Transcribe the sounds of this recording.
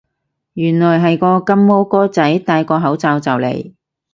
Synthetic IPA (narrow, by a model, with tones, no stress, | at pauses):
jyː˨˩nlɔː˨˩jɦɐ˨jkɔː˧kɐ˥mːo˥wkɔː˥t͡sɐ˨˥jt̪aː˧jkɔː˧ɦɐ˨˥wt͡saː˨˧wt͡sɐ˨wlḛ˨˩j